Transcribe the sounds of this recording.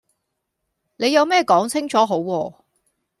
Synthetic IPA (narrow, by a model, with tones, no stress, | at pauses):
ne˨˧jɐ˨˧wmɛː˥˩kɔː˨˥ŋt͡sʰɪ˥ŋt͡sʰɔː˨˥ɦo˨˥wːɔː˧